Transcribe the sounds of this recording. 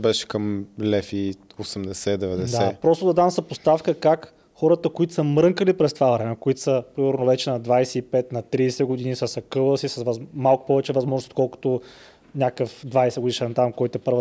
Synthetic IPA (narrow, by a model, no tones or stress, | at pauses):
bɛʃɛ̥kəmlɛfi | osɛmd̪ɛsɛd̪ɛvɛd̪ɛd̪aɛpɾɔst̪ʊd̪ɐd̪amsɐpost̪afkəkak | xɔɾət̪əkoit̪ʊ̥səmɾɤŋkəlipɾɛst̪vavɾɛnɐkʊit̪o̥səpɾimɛɾnovɛt͡ʃɛnɐd̪vajsɛipɛt̪nɐt̪ɾiːsɛɡʊd̪inisɐsɐkɤlˠəsisəsvɐmalˠkʊ̥pɔvɛt͡ʃɛvɐzmɔʒnsot̪kɔlˠkʊ̥t̪o | nʲakəfd̪vajsɛɡʊd̪iʃɛnt̪amkɔjt̪ɛpɤɾvə